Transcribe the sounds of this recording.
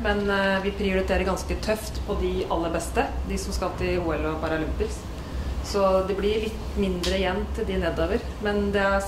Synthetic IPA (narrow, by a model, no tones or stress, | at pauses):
mɛnʋɪpʰɾɪʊɾɪt̪ʰeːɾəɾɡɑnskət̪ʰœft̪pʰɔd̪ɪɑlːəbɛst̪əd̪ɪsɔmskɑlt̪ʰɪuːɛlɔpʰɑɾɑlʏmpəs | sɔd̪ɛblɪɭɪt̪ːmɪnd̪ɾəjɛnːt̪ʰɪld̪ɪnɛd̪ːoːʋəɾ | mɛnd̪ɛæ